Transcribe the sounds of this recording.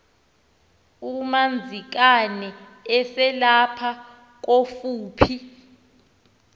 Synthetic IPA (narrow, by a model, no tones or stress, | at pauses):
umand͡zʱik̬anɛ | ɛsɛlapʰa | k̬ofuːpʰi